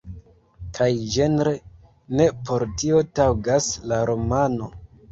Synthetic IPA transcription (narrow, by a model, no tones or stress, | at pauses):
kʰajd͡ʒe̞nɾe | ne̞po̞ɾtio̞tawɡaslaɾo̞mano̞